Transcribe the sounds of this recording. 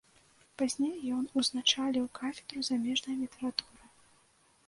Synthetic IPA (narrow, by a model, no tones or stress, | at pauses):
pazʲnʲejːɔnuznat͡ʂalʲiwkafʲɛ̥d̪ɾuzamʲɛʐnɐjlʲit̪ɛɾat̪uɾɨ